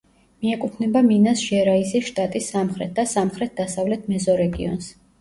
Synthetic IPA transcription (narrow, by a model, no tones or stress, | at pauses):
miɛkʼut̪ʰnɛbaminasʒɛɾaiziʃt̪ʼat̪ʼisːamχɾɛt̪̚ʰd̪̥asamχɾɛt̪̚ʰd̪asavlɛt̪ʰmɛzɔɾɛɡiɔ̰ns